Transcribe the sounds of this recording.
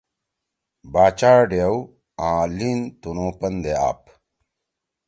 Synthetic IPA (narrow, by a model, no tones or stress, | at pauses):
baːt͡ɕaːɖjɐw | ãːlint̪unõːpɐnd̪ea̰ːp